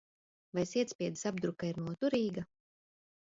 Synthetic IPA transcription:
vajsiɛt̪spʲiɛd̪i̥sab̚d̪ɾukaiɾnuɔt̪uɾiːɡa

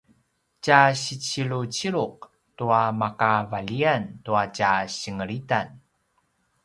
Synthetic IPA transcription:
t͡ɕaɕit͡ɕiɭut͡ɕiɭuq̚ | tuamakavaʎiantuacaɕəŋəɭitan

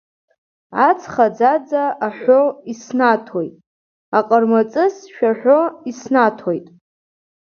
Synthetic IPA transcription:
at͡sʰʼχad͡zad͡zaʔːħʷoisnatʰojtʼ | aqʼərmat͡sʼɨsʃᶣaħᶣʷoisnatʰojtʼ

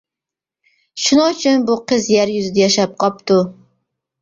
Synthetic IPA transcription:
ʃʊnɒt͡ʃʰʊnbʊqʰɨzjaɾjʊzɪd̪ajaʃap̚qʰɒp̚t̪ʊ

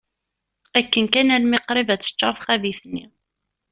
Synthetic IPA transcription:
ækːənkænælmiqɾivæt͡sːə̥t͡ʃːɑɾˤθχæviθnːi

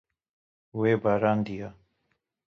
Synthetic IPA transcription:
uweːbaɾaːnd̪ija

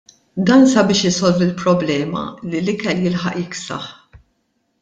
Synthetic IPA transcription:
d̪ɐːnsɐbɪːʃjɪsɔlvɪlpɾɔblɛːmɐ̰lilɪkɛljɪlħɐ̰ʔjɪksɐ̰ħ

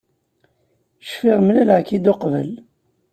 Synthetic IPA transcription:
ʃfiʁmlælʕkid̪oqvə̰l

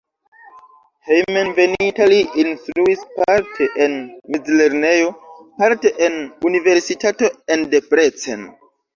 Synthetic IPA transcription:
hejmenvenitaliʔinstɾuispaɾtʰeʔenmid͡zle̞ɾnejo̞paɾteʔenunive̞ɾsitato̞endepɾet͡sḛn

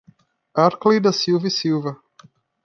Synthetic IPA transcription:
aɾklejd̪ɐsiwvɐsiwvɐ

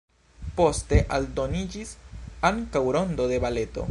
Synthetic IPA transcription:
po̞ste̞ʔaldo̞nid͡ʒisaŋkawɾo̞ndo̞de̞bale̞to̞̰

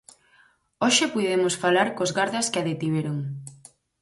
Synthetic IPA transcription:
oʃepujðemosfalaɾkozɣaɾðaskɪaðet̪iβeɾoŋ

